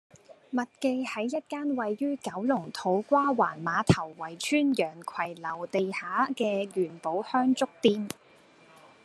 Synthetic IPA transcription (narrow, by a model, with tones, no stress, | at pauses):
mɐ˨t̚ke˧jhɐ˨˥jːɐ˥t̚kaː˥nwɐ˨jːyː˥kɐ˨˥wlʊ˨˩ŋt̪ʰo˨˥wkʷwaː˥wa̰ː˨˩nmaː˨˧˥t̪ʰɐ˨˩wwɐ˨˩jt͡ʃʰyː˥njœː˨˩ŋkʰɐ˨˩jlɐ˨˩wt̪e˨jhaː˨˥kɛː˧jyː˨˩npo˨˥whœː˥ŋt͡sʊ˥k̚t̪iː˥m